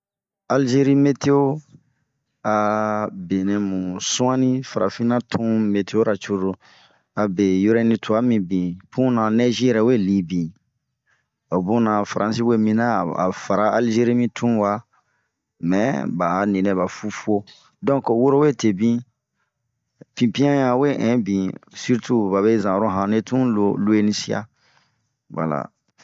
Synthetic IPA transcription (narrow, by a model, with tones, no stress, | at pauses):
a˨lʒe˦ɾi˦me˦tʰe˦o˦ | a˨be˨ne˨mũ˨sũ˦ã˦nĩ˦fa˨ɾa̰˨fĩ˦nã˦tʰũ˦me˨tʰe˦o˦ɾa˨t͡ʃo˦ɾo˨ | a˨be˨jo˦ɾɛ̃˦nĩ˦tʰu˨a˦mĩ˨bĩ˨pũ˦nã˨nɛ˦ʒi˦ɛ˨ɾɛ˨we˦˨li˨bĩ˨ | o˨bũ˦nã˨fa˨ɾʔã˨si˦we˦mĩ˦nã˦˨a̰˨fa˨ɾa˦a˨lʒe˦ɾi˦mĩ˦tʰũ˦wa˨˦ | mɛ̃˨˦ba˨nĩ˨nɛ̃˨βa˨fu˦fu˦o˦ | dɔ̃˦ko˨wo˦ɾo˦we˦˨te˨bĩ˦ | pĩ˨pĩ˦ã˦jã˦we˦ʔɛ̃˨˦bĩ˨si˦ɾtʰu˦ba˨βe˦zã˨ɾo˦ɦã˨ne˦tũ˦lo˨lu˦e˦nĩ˧si˦a̰˦ | wa̰˨la̰˨